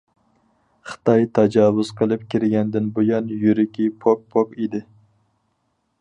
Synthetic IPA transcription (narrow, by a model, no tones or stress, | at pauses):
χɨ̥t̪ɑjt̪ʰɛd͡ʒɑːwʊz̥qʰəlˠɨp̚kʲʰiɾɪɡʲɛnd̪ɪnbojɑnjyɾɪkʲipʰok̚pʰokid̪ɪ